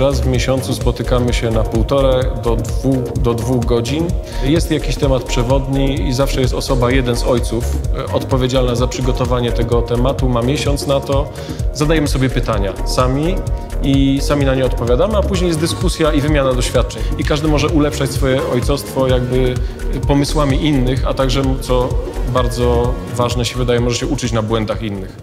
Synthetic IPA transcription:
ɾazvmʲjeɕɔnt̪suspɔt̪ɘkamɘɕɛnapuwt̪ɔɾɛd̪ɔd̪vuxd̪ɔd̪vuɣɡɔd͡ʑinjɛst̪jakʲiɕt̪ɛmat̪̚pʂɛvɔd̪ɲiizafʂɛjɛst̪ɔsɔbajɛd̪ɛnzɔjt̪sufɔt̪pɔvʲjed͡ʑalnazapʂɘɡɔt̪ɔvaɲɛt̪ɛɡɔt̪ɛmat̪umamʲjɛɕɔnt̪snat̪ɔ | zad̪ajɛmɘsɔbʲjɛpɘt̪aɲasamʲiisamʲinaɲɛɔt̪̚pɔvʲjad̪amɘapuʑɲejɛs̬t̪d̪ɘskusʲjaivɘmʲjanad̪ɔɕfʲjat̪̚t͡ʂɛɲikaʐd̪ɘmɔʐɛʔulɛpʂat͡ɕsfɔjɛʔɔjt̪sɔfst̪fɔjaɡbɘpɔmɘswamʲiʔinːɘxa̰t̪aɡʐɛmt̪sɔbaɾd̪zɔ | vaʐnɛɕɛvɘd̪ajɛmɔʐɛɕɛʔut͡ʂɘt͡ɕnabwɛnd̪axinːɘx

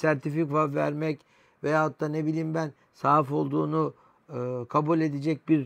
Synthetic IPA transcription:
sæɾt̪ʰifikvavæ̰ɾmɛc | vejaːat̪ːaːnebilʲiːmbæn | saːifo̞lˠd̪uːnu | kʰabulʲe̞d̪ed͡ʒɛc̚biɾ

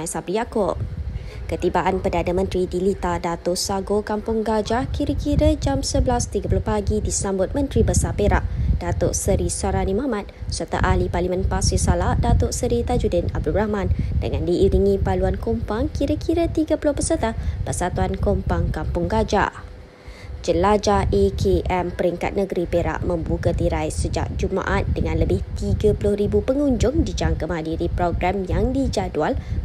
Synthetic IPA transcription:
ajsabɾijakop̚ | kət̪ibaʔanpədanəmə̃nt̪ɾidilit̪adat̪oʔsaɡokampʊŋɡad͡ʒahkiɾəkiɾəd͡ʒamsəbəlast̪iɡəpulʊhpaɡidisambʊt̪̚mə̃nt̪ɾibəsapeɾa̰ʔd̥at̪oʔsəɾisaɾanĩmahmãt̪̚sərt̪a̰ʔaliparlimə̃npasisalahdat̪oʔsəɾit̪ad͡ʒudɪna̰b̚dulrahmãndə̰ŋandiːɾiŋĩpaluankompaŋkiɾəkʰiɾət̪iɡəpulʊhpəsərt̪ahpərsat̪uankompaŋkampʊŋɡad͡ʒa̰ | d͡ʒəlad͡ʒaʔekʰeʔɛmpəɾiŋka̰t̪̚nəɡɾipeɾa̰ʔmə̃mbukat̪iɾajsəd͡ʒa̰ʔ̚d͡ʒuma̰ʔat̪̚dəŋãnləbɪht̪iɡapulʊhɾibupəŋuɲd͡ʒʊŋdid͡ʒaŋkəməɦadiɾipɾoɡɾamjaŋdid͡ʒadual

